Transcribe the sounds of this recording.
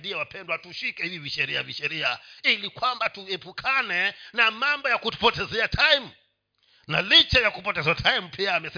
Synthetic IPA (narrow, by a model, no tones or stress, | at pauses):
diɛwapʰɛndwatuʃikɛhiviviʃɛɾia̰viʃɛɾiailikwambatuɛpukʰanɛnamambɔjakutu̥pɔtɛzɛatʰajm̩ | nalit͡ʃɛjakupɔtɛzatʰajimupʰiaːmɛsɛ